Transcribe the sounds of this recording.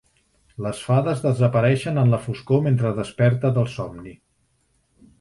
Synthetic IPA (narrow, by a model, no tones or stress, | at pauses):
ləsfaðəzðəzəpəɾɛʃənənləfuskoment̪ɾəðəspɛɾt̪əðəlˠsɔmni